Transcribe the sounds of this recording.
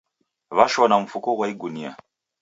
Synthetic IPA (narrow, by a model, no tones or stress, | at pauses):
βaʃɔnaɱ̩fukɔɣwaiɡunia̰